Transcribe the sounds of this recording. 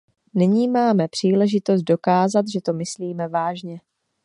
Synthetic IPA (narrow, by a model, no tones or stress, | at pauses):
nɪɲiːmaːmɛpr̝̥iːlɛʒɪt̪o̞s̬t̪̚do̞kaːzat̪ʒɛt̪o̞mɪsliːmɛvaːʒɲɛ